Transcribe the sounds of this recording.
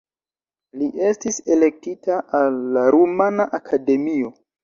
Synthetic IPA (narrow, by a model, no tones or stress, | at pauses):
liʔe̞stise̞le̞k̚titaalːaɾumanaʔakʰade̞mio̞